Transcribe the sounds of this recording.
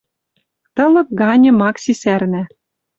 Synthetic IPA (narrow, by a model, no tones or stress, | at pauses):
t̪ɤ̆lɤ̆p̚ɡɑnʲɤ̆mɑksisærnæ